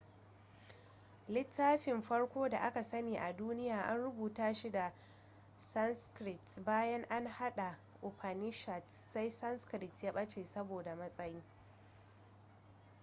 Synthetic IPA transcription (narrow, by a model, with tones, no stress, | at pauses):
lɪ˦tʰːaː˦ɸɪ˨mɸɐ˦ɽkʷoː˦da˨ʔa˦ka˨sɐ˦neː˨ʔa˨duː˦nɪ˦jaː˨ʔa̰˦nɽʊ˦buː˨taː˦ʃi˦da˨ | sɐ˦nskɾɪ˨tbaː˦jɐ˦ŋʔa˦ŋha˦ɗa˨ | ʔo˨ɸʰa˨nɪ˦ʃa˨tsa˦jsɐ˦nskɾɪ˨tja˦ɓɐ˦t͡ʃeː˨sɐ˦boː˨da˨mɐ˦sʼɐ˦ji˦